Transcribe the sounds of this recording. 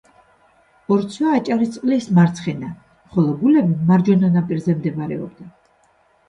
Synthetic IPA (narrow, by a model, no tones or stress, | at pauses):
ɔɾt̪sʰwaːt͡ʃʼaɾist̪ʼqʼlismaɾt̪sʰχɛna | χɔlˠɔɡulɛbimaɾd͡ʒɔnanapʼiɾzɛmd̪ɛbaɾɛ̰ɔ̰b̚d̪a